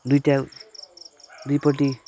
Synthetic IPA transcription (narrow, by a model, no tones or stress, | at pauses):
d̪ujʈa | d̪ujpʌʈi